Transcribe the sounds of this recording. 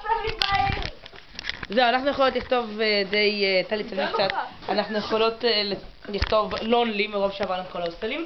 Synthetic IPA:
zeuanaχnujeχolo̞t̪liχt̪o̞ved̪ejt̪alitsalmimk̚t͡sat̪anaχnujeχolo̞tl | liχt̪o̞vlonlimeʁovʃeavaʁnumkolaoselim

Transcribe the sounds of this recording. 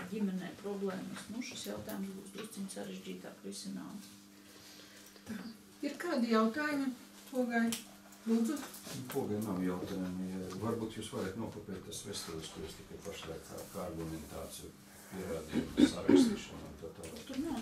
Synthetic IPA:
ɟʲimʲɛnɛjpɾɔblˠɛːməsnuʃi̥sjawt̪aːjumsbuːsd̪ɾuɔssimʲt̪ʲsaɾeʒd͡ʒiːt̪a̰ːkɾisɪna̰ːms | t̪a | iɾkaːd̪ɪjawt̪aːjumi | puɔɡalʲ | lˠuːd̪zʊnkuɔɡalʲnawjawt̪aːjumvaɾbuːt̪juːsʋaɾɛt̪nuɔkopʲiːt̪̚ʲt̪ːasvest̪ɛlʲˠskuɾjust̪ʲikajpaʃlˠa̰jkka̰ːkaaɾɡumɛnt̪a̰ːt̪siju | pʲiɛɾaːd̪ḭjmsaɾa̰kst̪iːʃɐnṵnt̪at̪aːlʲˠat̪uɾna

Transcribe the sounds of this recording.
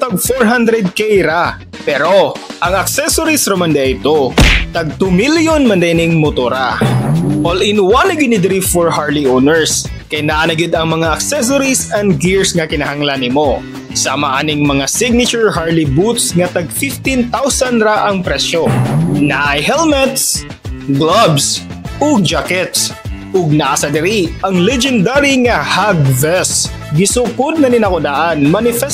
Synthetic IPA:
t̪ɐɡ̚foɹɦand̪ɾɛd̪̚kɛjɾa | pɛɾoʔɐŋɐksɛsoɾisɾɐmɐnd̪ɛɪt̪ot̪ɐɡ̚t̪umiljonmɐnd̪ɛnɪŋmʊt̪oɾa | ʔolɪnwanɐɡɪd̪nɪd̪ɾifɔɹhaɹliʔonɛɹs | kɐjnaʔɐnɐɡɪd̪ɐŋmɐŋaʔɐksɛs̬oɾisɐnd̪ɡɪɹsŋɐkɪnɐhɐŋlanɪmo | samɐʔaːnɪŋmɐŋasɪɡ̚nɪt͡ʃʊɹhaɹlɪbut̪sŋɐt̪ɐɡfɪft̪int̪awsɐnɾaʔɐŋpɾɛʃonaʔajɦɛlmɛt̪s | ɡlabs | ʔoɡ̚d͡ʒakɛt̪sʔʊɡ̚naʔasɐd̪ɛɾiʔɐŋlɛd͡ʒɛnd̪aɾiŋɐhaɡvɛs | ɡɪsukʊd̪̚nɐnɪnɐkʊd̪aːʔɐnmanɪfɛ

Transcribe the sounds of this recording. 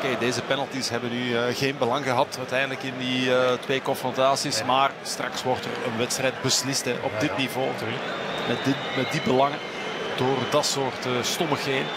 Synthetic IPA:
keːdeːzəpɛnəlˠtisɦɛbənːyəɣeːnbəlɑŋɣəɦɑtœɥtɛjndələkɪndiətʋeːkɔnfrɔntaːsismaːrstrɑ̰ksʋɔrtərə̰nʋɛtstrɛjd̚bəslɪstɦɛ̰ʔɔ̰dɪtnivoː | mɛ | mɛt̚dibəlɑŋə | d̥oːrdɑtsoːrtəstɔməxeːn

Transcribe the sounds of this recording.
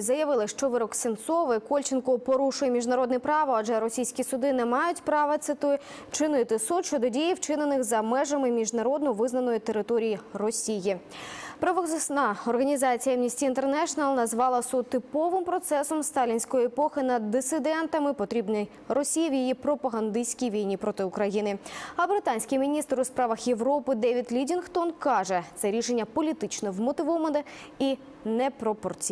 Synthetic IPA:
zɐjɐʋɪlˠɪʃt͡ʃɔʋɪɾɔksʲɪnt̪sɔʋɪkɔlʲt͡ʃɪnkʊpɔɾuʃʊjemʲiʒnɐɾɔd̪nɛpɾɑʋɐɐd͡ʒɛɾɔsʲijsʲkʲisʊd̪ɪnɛmɑjʊtʲpɾɑʋɐt̪sɪt̪ɪ | t͡ʃɪnɪjet̪ɪsut̪ʃt͡ʃɔd̪ɔdʲijiwt͡ʃɪnenɪxzɐmɛʒɐmɪmʲiʒnɐɾɔd̪nɔʋɪznɐnɔjit̪eɾɪt̪ɔɾʲijirɔsʲiji | pɾɐʋsnɐɔrɦɐnʲizɑt͡sʲijɐmnʲisʲtʲiːnt̪ernɛʃɔnɐlˠnɐzʋɑlˠɐsut̪ːɪpɔʋɪmpɾɔt̪sɛsɔmst̪ɑlʲinʲsʲkɔjiepɔxɪnɐd̪ːɪsɪd̪ɛnt̪ɐmɪpɔt̪ɾʲibnʲɪj | rɔsʲijɐwjijipɾɔpɐɦɐnd̪ɪsʲkʲijʋʲijnʲipɾɔt̪ɪʊkɾɐjinɪɐbɾɪt̪ɑnʲsʲkɪjmʲinʲist̪ɾʊspɾɑʋɐxje̞ʋɾɔpɪd̪ɛʋʲid̪lʲidʲinxt̪ɔnkɑʒɛt̪sɛɾʲiʃenʲːɐpɔlʲit̪ɪt͡ʃnɔʋmɔt̪ɪʋɔʋɐnɛ | i | nɛpɾɔpɔrt͡sʲi

